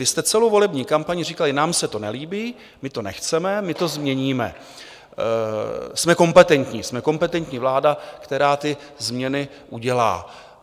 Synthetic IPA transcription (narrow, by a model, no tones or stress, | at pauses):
ɪst̪ɛt͡sɛlowvo̞lɛbɲiːkampaɲɪr̝ikalɪnaːmsɛt̪o̞nɛliːbiː | mɪt̪o̞nɛxt͡sɛmɛmɪt̪o̞zmɲɛɲiːmɛ̰ | smɛko̞mpɛt̪ɛnt̪ɲiːsmɛko̞mpɛt̪ɛnt̪ɲiːvlaːdakt̪ɛɾaːt̪ɪ | zmɲɛnɪ | ʔuɟɛla̰ː